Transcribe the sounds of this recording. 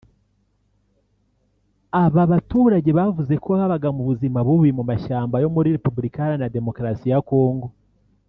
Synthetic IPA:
aβaβatuːɾaɟe̞βavuze̞koaβaβaɡamuβuzimaβuβuimumaʃaːmbajo̞muɾiɾepubuɾikahaɾanade̞mo̞kɾasijako̞ːŋɡo̞

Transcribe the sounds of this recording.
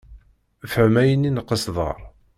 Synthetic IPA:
fəʕmæjənːinqːəsðˤɑ̰ɾˤ

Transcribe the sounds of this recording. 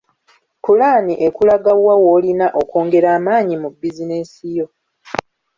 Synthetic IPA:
kulaːniʔe̞kulaɡawawoːlinaʔo̞ko̞ːŋɡe̞ɾaːmaːɲimubːizinesijo̞

